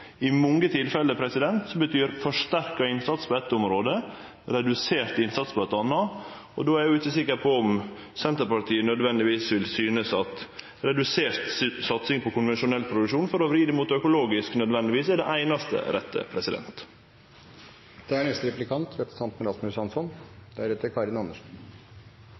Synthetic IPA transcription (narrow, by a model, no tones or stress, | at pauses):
ɪmɔŋːət̪ʰɪlfɛləpʰɾɛsɪd̪ɛnt̪sɔbət̪ʰyːɾfɔʂt̪æɾkɑɪnsɑt̪spʰɔɛt̪ːɔmɾoːd̪ə | ɾɛd̪ʉseːɾt̪ɪnsɑt̪spʰɔɛt̪ɑnːɑ | ɔ̰d̪oːæɾjʊɪçəsɪkːəɾpʰɔɔm | sɛnt̪əɾpɑʈiːənœd̪ʋɛnd̪ɪʋiːsʋɪlsyːnəsɑt̪ | ɾɛd̪ʉseːɾt̪sɑt̪sɪŋpʰɔkʊnʋɛnʃʊnɛlpʰɾʊd̪ʉkʂuːnfɔɾɔʋɾiːd̪əmuːt̪œkʊloːɡɪsknœd̪ʋɛnd̪ɪʋiːsæɖɛʔæɪnɑst̪ə̰ɾʔɛt̪ʰːə̰pʰɾɛsɪd̪ɛ̰nt̪ | d̪̥ɛæɳɛst̪əɾɛplɪkʰɑnt̪ʋet̪sɑnt̪məɾɑsmʉsɑnsɔnd̪ɛæɾɛt̪ːəɾkʰɑɾɪnɑnːəʂn